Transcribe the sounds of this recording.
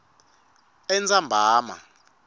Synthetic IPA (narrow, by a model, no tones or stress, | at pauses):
ɛnd͡zambʱaːma̰